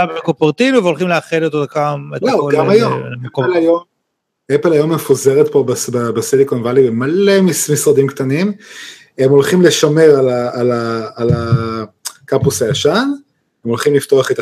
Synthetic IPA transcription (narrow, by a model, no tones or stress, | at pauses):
abeekopeʁt̪inuvelχimleaχelet̪od̪akamet̪ooɡaajomkolajom | epelajo̞mːefuzeʁet̪pobasbabesilikonvalibemalemismisʁad̪imkt̪anim | emo̞lχimleʃame̞ʁalaalaːla | kapusajaʃan | emolχimlift̪o̞aχet̪a